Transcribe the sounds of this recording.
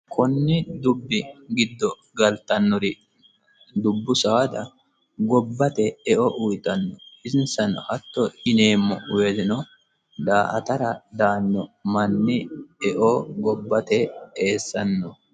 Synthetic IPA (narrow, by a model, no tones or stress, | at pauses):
kʰɔnːɪd̪ʊbːɪɡɪd̪ːɔ | ɡɐlt̪ɐnːɔɾɪ | d̪ʊbːʊsɐɐd̪ɐ | ɡɔbːɐt̪ɛɛʔɔʔʊjt̪ːɐnːɔɪzɪnsɐnhɐt̪ːɔɪne̞ːmːɔ̰weːd̪ɪnɔ | d̪aːʔɐ̰t̪ɐɾɐd̪aːnːɔmɐnːɪɛʔoɡɔbːɐt̪ɛeːsːɐnːɔ